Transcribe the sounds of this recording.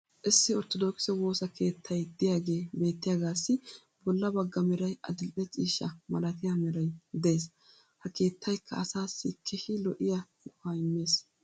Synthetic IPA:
ʔɪsːɪɔɾt̪ɔd̪ɔkɪ̥sɔwo̞ːsɐkʰe̞ːt̪ʰːɐjd̪ɪjaːɡe̞ːbe̞ːt̪ːɪjaːɡaːsːɪ | bɔlːɐbɐɡːɐmɛɾɐjʔɐd̪ɪlʔɛt͡sʼiːʃːɐmɐlɐt̪ɪjaːmɛɾɐjd̪ɛeːs | hɐke̞ːt̪ːɐjkʰːɐɐsaːsːɪkʰːɛʃɪlɔʔɪjɐ | ʊfaːɪnːe̞ːs

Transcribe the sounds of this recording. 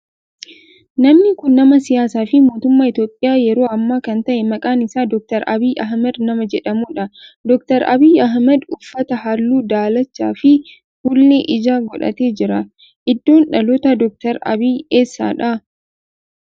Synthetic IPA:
nɐmnɪkʊnːɐmɐsɪjaːsaːfɪmo̞ːt̪ʊmːaːɪt̪jo̞ːpʼːɪjaːjɛɾo̞ːɐmːaːkɐnt̪ɐʔɛmɐkʼaːnɪsaːd̪ɔk̚t̪ɐɾɐbiːʔɐɦmɛd̪nɐmɐd͡ʒɛᶑɐmuːᶑɐd̪ɔkt̪ɐɾɐ̰biːjɐɦmɛd̪ʊfːɐt̪ɐhɐlːuːd̪aːlɐt͡ʃːa̰ːfɪ | hʊlːeʔɪd͡ʒaːɡɔᶑɐ̰t̪eːd͡ʒɪɾɐ | ʔɪd̪ːo̞ːnᶑɐlɔt̪ɐd̪ɔk̚t̪ɐɾɐ̰biːeːsːa̰ːᶑɐ

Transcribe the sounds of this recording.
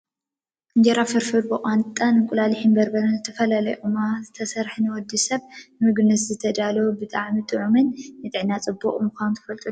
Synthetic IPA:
ʔɨɲd͡ʒɐɾafɨɾfɨɾbɨʔʼant̪ʼanɨkʼʊlaliħimbɐɾbɐɾɐnzɨt̪ʰɐfɐlalɐjʔumazɨt̪ʰɐsɐɾħnɨwɔd̪isɐβnɨmɨɡnɨszɨt̪ʰɐd̪alɐubɨt̪ʼaʕmit̪ʼɨʕumɨnːɨt̪ʼɨʕnat͡sʼɨbːoχʼmɨxʷanunt̪ʰɐ̥fɐlt̪ʼu

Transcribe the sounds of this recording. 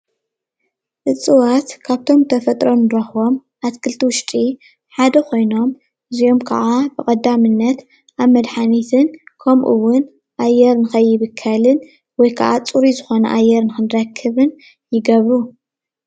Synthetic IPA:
ʔɨt͡sʼɨwat̪kʰaβt̪ʰo̞mt̪ʰɐfɐt̪ʼɾo̞nɾɐxo̞m | ʔat̪kʰɨlt̪ʰiwʊʃt̪ʼi | ħad̪ɐkʰo̞jno̞m | ʔɨzio̞mkʰɐ̰ʕabɨkʼɐd̪ːamɨnːɐt̪ | ʔaβmɐd̪ħanit̪ʰɨnkʰɐmʔɨṵwːʊn | ʔajːɛɾnɨxɐjːɪβɨkʰːɐlɨn | wɔjkʰa̰ʔat͡sʼuɾizɨxo̞nɐ̰ʔajːɛɾnɨxɨnɾɐkʰːɨβɨn | jɪɡɐβɾu

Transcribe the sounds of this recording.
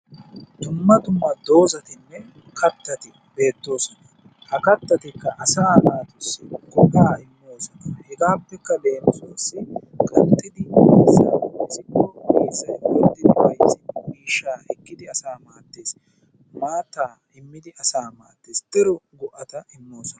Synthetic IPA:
d̪ʊmːɐt̪ʊmːɐd̪o̞ːzɐt̪ɪnːɛ | kʰɐt̪ːɐt̪ɪ | be̞ːt̪ːo̞ːsɔnɐ̥ | hɐkɐt̪ːɐt̪ɪkːɐʔɐsaːmaːt̪ʊsɪɡɔʔaːɪmːo̞ːsɔnɐhɛɡaːpːɛkːɐd̪e̞ːnsooːsːɪkʼɐnt̪ːɪd̪ɪmɐsːa̰ɐsʼɪkːɔmeːsːɐjwɔd̪ːɪd̪ɪwɐjsɪnːɛmiːʃːaːʔɛkːɪd̪ɪɐsaːmaːt̪ːeːs | maːt̪aː | ɪmːɪd̪ɪɐsaːmaːt̪ːest̪ɪɾɔɡʊʔɐt̪ɐɪmːo̞ːsɔnɐ

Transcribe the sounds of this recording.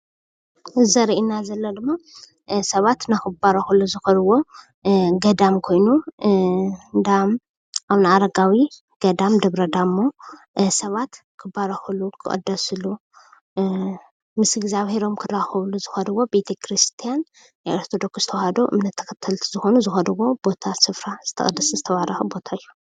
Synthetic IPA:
zɐɾʔinazɐlːɐd̪ɨmːa | sɐβat̪nakɨbaɾɐxɐluzɨxɐlɨwo̞ | ɡɐd̪amkʰo̞jnu | d̪am | ʔaβnɨaɾɐɡawi | ɡ̥ɐd̪amd̪ɐβɾɐd̪amːo | sɐβat̪ | kʰɨbaɾɐxɨlukʰɨʔʼɐ̰d̪ɐsɨlu | mɨsɡzaβhe̞ɾo̞mkʰɨraxɐβluzɨxɐd̪ɨwo̞be̞t̪ʰekʰɾist̪ʰijan | jajaɾt̪ʰod̪o̞ksz̥ɨt̪ʰɐwhad̪oʔɨ̰mnɐt̪ʰːɐ̥kʰɐt̪ʰːɐlt̪ʰizɨxo̞nuzɨxɐd̪ɨwo̞b̥o̞t̪ʰasɨfɾaz̥ɨt̪ʰɐ̰xʼɐd̪ːɐszɨt̪ʰɐβaɾɐxɐbo̞t̪ʰaɨjːu

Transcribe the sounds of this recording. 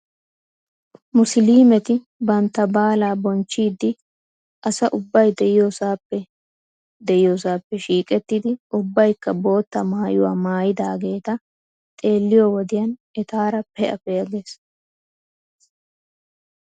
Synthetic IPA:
mʊsliːmɛt̪ɪ | bɐnt̪ːɐbaːlaːbɔnt͡ʃːiːd̪ːɪ | ʔɐsɐʔʊbːɐjd̪ɛʔɪjosaːpːɛ | d̪ɛʔɪjoːsaːpːɛʃiːkʼɛt̪ːɪd̪ɪʔʊbːɐjkːɐbo̞ːt̪ːɐmaːjʊwa̰ːmaːjɪd̪aːɡe̞ːt̪ɐ | t̪ʼe̞ːlːɪjɔwɔd̪ɪjɐnɛt̪aːɾɐpɛʔɐ̰fɛjɐɡes

